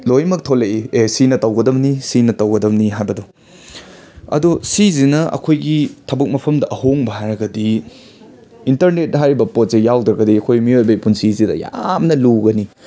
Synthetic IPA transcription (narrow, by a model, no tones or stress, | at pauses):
lojmɐk̚tʰoleiesinɐtɐwɡɐdɐmnisinɐtɐwɡɐdɐmniɦajbɐdu | ɐ̰dusizinɐɐ̰kʰojɡitʰɐbɐk̚mɐpʰɐmdɐʔɐhoŋbɐɦajɾɐɡɐdi | intɐɾnet̚ɦajɾibɐpot̚zejawdɾɐɡɐdiɐkʰojmiojbɐipunsizidɐ̰ja̰mnɐluɡɐni